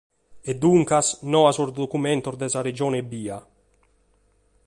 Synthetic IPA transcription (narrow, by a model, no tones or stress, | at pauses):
ɛd̪uŋkasnɔasoɾd̪okumɛnt̪oɾd̪ɛsaɾed͡ʒɔːnebiːa